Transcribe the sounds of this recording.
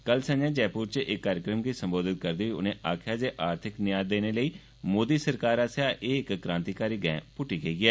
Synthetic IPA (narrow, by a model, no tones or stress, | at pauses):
kəlsə̃ɲd͡ʒãːd͡ʒɛːpuːɾt͡ʃʔɪkːaːɾjəkɾəmɡiːsəmboːd̪ɪt̪̚kəɾd̪iːʊ̰nẽːʔaːkʰjaːd͡ʒeːʔaːɾt̪ʰɪknɪjaːd̪eːneːləiː | moːd̪iːsəɾkaːɾaːsjaːʔeːɪkːɾãːnt̪iːkaːɾiːɡɛ̰̃ːpʊʈiːɡəiːɛː